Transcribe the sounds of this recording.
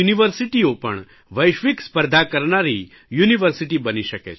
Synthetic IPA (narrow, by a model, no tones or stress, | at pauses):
uniʋəɾsiʈiopə̰ɳ | ʋəjʃʋikspəɾd̪ʱakəɾɳaɾi | juniʋəɾsiʈibəniʃəkḛt͡ʃʰ